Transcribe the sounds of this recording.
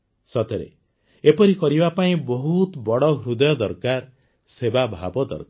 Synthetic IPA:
sɔt̪eɾḛ | epɔɾikɔɾibapaĩbɔɦut̪bɔɽɔɦɾud̪ɔjɔd̪ɔɾkaɾ | sebabʱabɔd̪ɔ̰ɾka

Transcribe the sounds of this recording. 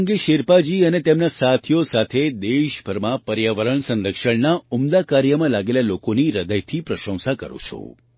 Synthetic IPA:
ŋɡeʃeɾpad͡ʒiənet̪emnasat̪ʰijosat̪ʰed̪eʃbʱəɾmãpəɾjaʋəɾəɳsənɾəkʃəɳnaumd̪akaɾjəmãlaɡelalokoniɾəd̪əjt̪ʰipɾəʃə̃w̃sakə̰ɾo̰t͡ʃʰo̰

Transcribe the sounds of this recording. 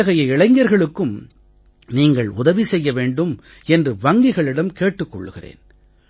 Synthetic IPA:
ɐɣɐjɐɪɭɐɪŋɡɐɾɣɐɭɯkːɯm | niːŋɡɐɭʊðɐʋisɛjːɐʋeːɳɖɯm | ɛndrɯʋɐŋɡɪɣɐɭɪɽɐmkeːʈːɯkːɔ̰ɭːɯɣɪrḛːn

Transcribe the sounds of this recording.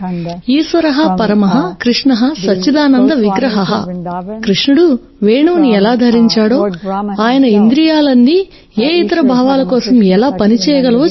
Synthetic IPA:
iːsʋɐɾɐɦɐpɐɾɐmɐɦɐkɾiʂɳɐɦɐsɐt͡ʃːid̪aːnɐnd̪ɐʋiɡɾɐɦɐɦɐ̰kɾiʂɳuɽu | ʋeːɳuːniɛlaːd̪ʱɐɾiɲt͡ʃaːɽo̞ːaːjɐnɐind̪ɾijaːlɐnːi | eːit̪ɐɾɐbʱaːʋaːlɐkɔːsɐmɛlaːpɐnit͡ʃɛːjɐɡɐlɐʋoː

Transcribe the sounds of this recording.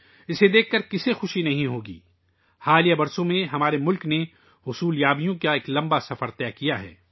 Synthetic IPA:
ɪsed̪eːkːɐɾkɪsexʊʃinɐɦĩɦoːɡḭː | haːlijabɐɾsõmẽɦɐmaːɾemʊlkne | hʊsuːljaːbijõkaeːklɐ̃mbasɐfəɾt̪ɛːkijaɦɛ̰ː

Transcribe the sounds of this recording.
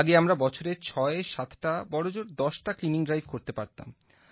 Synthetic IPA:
ɡeamɾabɔt͡ɕʰoɾeɾt͡ɕʰɔeʃat̪ʰʈabɔɽod͡ʑoɾd̪ɔʃʈakliniŋɖɾajbkoɾt̪epaɾt̪a̰m

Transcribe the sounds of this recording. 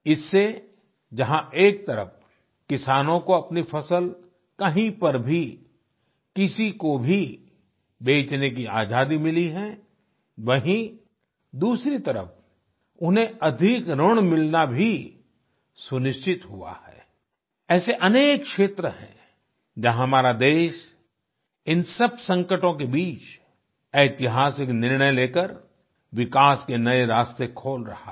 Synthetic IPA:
ɪsːe | d͡ʒɐɦãeːk̚t̪ɐɾə̰f | kɪsaːnõkoɐpnifʰɐsəl | kɐɦĩpɐɾbʱi | kɪsikobʱi | beːt͡ʃnek̬ia̰ːd͡ʒaːd̪imɪliɦɛ̃ | ʋɐɦĩ | d̪uːsɾit̪ɐɾə̰f | ʊnẽɐd̪ʱɪkɾəɽ̃mɪlnabʱi | sʊnɪʃt͡ʃɪt̪ɦua̰hɛ̰ː | ɛːseʔɐneːkʃeːt̪ɾəɦɛ̰̃ | d͡ʒɐɦɦɐmaːɾad̪eːʃ | ɪnsɐb̚sɐ̃ŋkəʈõk̬ebiːt͡ʃ | eːt̪ɪɦaːsɪknɪɾɳ̃əjleːkəɾ | ʋɪkaːskenɐeɾaːst̪ekʰoːlɾɐ̰ha̰

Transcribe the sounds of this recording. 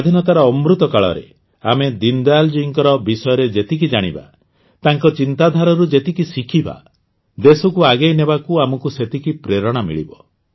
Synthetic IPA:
ad̪ʱinɔt̪aɾɔːmɾut̪ɔkaɭɔ̰ɾḛ | a̰med̪ind̪ald͡ʒuiŋkɔɾɔbisɔjɔɾed͡ʒet̪ik̬id͡ʒaɽ̃ḭba̰ | t̪aŋkɔt͡ʃint̪ad̪ʱaɾɔɾud͡ʒet̪ikisikʰiba̰ | d̪esɔkuaɡejnebakuamɔkuset̪ikipɾeɾɔɽ̃amḭɭḭbɔ

